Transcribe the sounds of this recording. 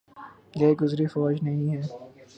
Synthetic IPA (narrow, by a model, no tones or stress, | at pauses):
jɐɡʊzɾifɔːd͡ʒnɐɦĩɦɛː